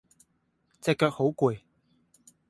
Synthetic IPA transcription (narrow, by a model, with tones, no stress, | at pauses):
t͡sɛː˧kːœː˧k̚ho˨˥wkuː˨˩j